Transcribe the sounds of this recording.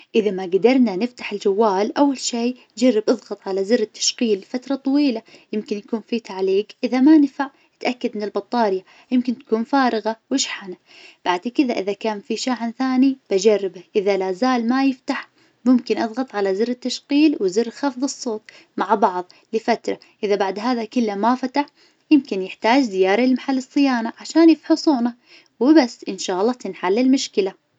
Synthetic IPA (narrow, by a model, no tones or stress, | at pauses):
ʔɪðamaɡad̪ɑɾˤnanɪft̪ḁħɪld͡ʒawːaːlʔawːalʃiː | d͡ʒarːɪbʔɑðˤɣɑt̪ˤʕalazɪrːɪt̪ːḁʃqiːlfat̪ɾˤɑt̪ˤɑwiːlajɪmkɪnjakuːnfiːt̪ʰaʕliːɡʔɪðamanfaʕ | ɪt̪ʔakːad̪mɪnɪlbɑt̪ˤːɑːɾja | jɪmkɪnt̪ḁkuːnfaːɾˤɪɣawɪʃħana | b̥aʕd̪kɪðaʔɪðakaːnfiʃaːʕanθaːnib̥ad͡ʒarːɪbaʔɪðalazaːlmajɪft̪aħ | mʊmkɪnʔɑðˤɣɑt̪ˤʕalazɪrɪt̪ːaʃqiːlwɪzɪrːxɑfðˤɨsˤːoːt̪ˤ | maʕbɑʕðˤ | lɪfat̪ɾˤa | ʔɪðabaʕd̪ɦaːðakɪlːamafat̪aħ | jɪmkɪnjɪħt̪aːd͡ʒzɪjaːɾˤɑɪlmaħalːɨsˤːɨjaːnaʕaʃaːnjɪfħʊsˤuːna | wɪbasːʔɪnʃaːʔɑlˤːɑːt̪ɪnħalːɪlmʊʃkɪla